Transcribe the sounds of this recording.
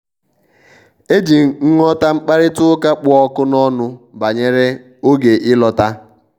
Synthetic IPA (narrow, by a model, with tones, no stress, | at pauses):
e˦d͡ʒi˨ŋ̩˦ŋɔ˦ta˦ŋ͡m̩˦k͡pa˦ɾɪ˦tʊ˦ka˦k͡pʊ˦ɔ˦kʊ˦nɔ˦nʊ˦ba˨ɲe˦ɾe˦ | o˦ɡe˨ʔɪ˦lɔ˦ta˦